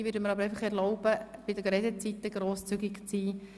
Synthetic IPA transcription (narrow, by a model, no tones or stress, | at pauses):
ʋʏːɾdəməɾɑbəɾɛjəχɛɾlɔʊb̥əb̥ɪdəɡɾɛdət͡sit̪ːəɡ̥ɾoːst͡syɡɪkt͡siː